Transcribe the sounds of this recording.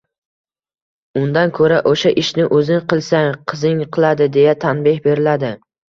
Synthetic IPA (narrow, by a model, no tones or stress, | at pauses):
ʊnd̪ankʰɵɾaʔoʃaʔɪʃnɪʔɵzɪnqʰɨlˠsaŋqʰɨzɪŋqʰɨlˠad̪ɪd̪e̞jat̪ʰanbɪhbe̞ɾɪlad̪ɪ